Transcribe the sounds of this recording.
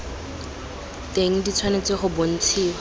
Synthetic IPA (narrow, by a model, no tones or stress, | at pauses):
teŋ̩dit͡sʰwanet͡sɪχʊbon̩t͡sʰiːwa